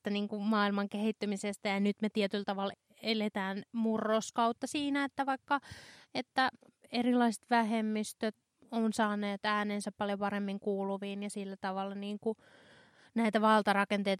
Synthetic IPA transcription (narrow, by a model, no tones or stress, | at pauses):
t̪ːæniːŋkumɑːilmɑŋkehit̪ːymisest̪æjɑnyt̪met̪iet̪ylt̪ɑʋɑl | elet̪æːnmurːoskɑut̪ːɑsiːnæet̪ːæʋɑikːɑet̪ːæ | erilɑiset̪ʋæhemːist̪øt̪ | onsɑːneːt̪æːneːnsæppɑljopɑremːiŋkuːluʋiːnjɑsilːæt̪ɑʋɑlːɑniːŋku | næit̪æʋɑlt̪ɑrɑkent̪eit̪